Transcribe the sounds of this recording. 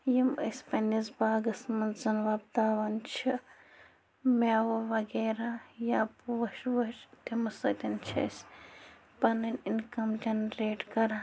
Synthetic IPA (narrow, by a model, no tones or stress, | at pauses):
jimɐsʲpɐnizbaːɡɐsmɐnzɐnʋaːbt̪aːʋɐnt͡ʃʰi | maːʋɐʋɐɡeːɾaːjaːpuʋɐʃʋɐʃt̪imɐsɐt̪ʲɐnt͡ʃʰɐ̰sʲ | pɐnɐnʲinkɐmd͡ʒɐnɾeːʈkɐɾa